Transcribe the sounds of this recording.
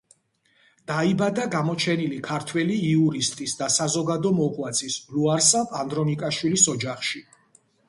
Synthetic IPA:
d̪̥aibad̪aɡamɔt͡ʃʰɛnilikʰaɾt̪ʰwɛliːuɾist̪ʼisd̪asazɔɡad̪ɔmɔqʼwat̪sʰisluaɾsapʼand̪ɾɔnikʼaʃwilisɔd͡ʒaχʃi

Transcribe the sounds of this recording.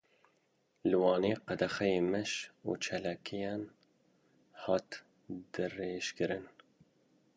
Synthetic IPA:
lɨwɑːneːqæd̪ɛxɛjeːmɛʃṵːt͡ʃʰɛlɛkʰijɑn | hɑːt̪ | d̪ɨreːʃkɨɾɨn

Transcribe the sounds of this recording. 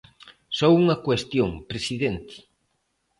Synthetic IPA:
sɔwuŋɐkwest̪joŋpɾesiðent̪ɪ̥

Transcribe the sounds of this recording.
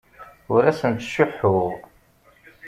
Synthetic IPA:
ʊɾæsənt̪ʃʊħːʊʁ

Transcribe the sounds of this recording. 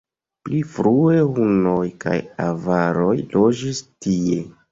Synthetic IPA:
plifɾue̞huno̞jka̰ja̰vaɾo̞jlo̞d͡ʒistie̞

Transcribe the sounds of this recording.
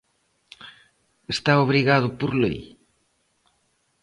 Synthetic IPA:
est̪aoβɾiɣaðʊpoɾlṵj

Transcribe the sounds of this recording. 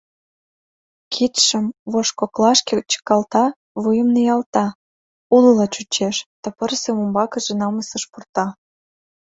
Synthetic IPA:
kʰit̪ʃə̆mβoʃkoklɑʃket͡ɕə̥kɑlt̪ɑ | βujə̆mnəjɑlt̪ɑ | ulɤlɑt͡ɕut͡ɕeʃt̪ə̆pərsemumbɑkə̆ʒĕnɑməsə̆ʃpurt̪ɑ

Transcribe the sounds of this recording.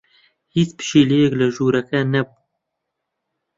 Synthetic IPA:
hiːt͡spɨ̥ʃiːlejɛklɨʒuːɾɛkɛnɛbu

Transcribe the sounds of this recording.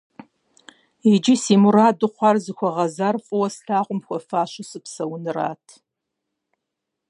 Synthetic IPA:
id͡ʒɪsiːmuɾaːdɨqʷɑrzɨxʷɔʁɐzaːrfʼɨwɐsɬʰaːʁʷʊmxʷɔfaːɕʊsʼɨpsɐwnɨra̰ːtʰ

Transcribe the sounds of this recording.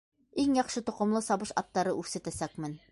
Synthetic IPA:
iŋjɑχʃɤt̪ŏqŏmlˠɤsɑβɤʃɑt̪ːɑɾɤʔʉɾsæ̆t̪æsækmɘn

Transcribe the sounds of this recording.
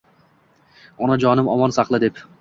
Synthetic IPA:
ɒnad͡ʒɒnɪmɒmɒnsɑqlˠɪd̪e̞p

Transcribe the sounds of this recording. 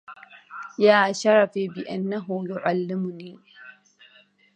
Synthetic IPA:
jaːʃɐɾɐɸeːbɪʔɐnːɐɦoːjʊʔalːɪmuniː

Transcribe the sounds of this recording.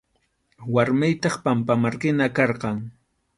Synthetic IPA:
waɾmɪjt̪ɑχpampamaɾkɪnakɑɾqɑŋ

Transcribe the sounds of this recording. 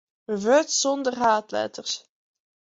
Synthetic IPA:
vøtsɔndərɦaːtlɛ̰tərs

